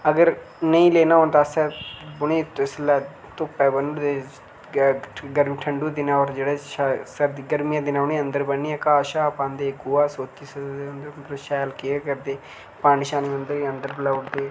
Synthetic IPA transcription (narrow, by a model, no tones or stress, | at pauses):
əɡəɾ | nəĩːleːnaːoːnt̪aːsɛːbʊɳiːt̪ːɪslɛː | t̪ʊpːɛːbənʊɽd̪eː | ɡəɾmiːʈʰəɳɖuːd̪ɪnãːɔːɾd͡ʒeːɽeːsəɾd̪iɡəɾmɪjãːd̪ɪnãːʊnĩːənd̪əɾbənːiːɛ̃ːkaːʃaːpãːnd̪eːɡoːaːsoːt̪iːsəd̪eːʊnd̪əɾnd̪əɾʃɛːlkeːkəɾd̪eː | paːnɪʃaːniːənd̪əɾiːənd̪əɾblaːʊɽd̪eː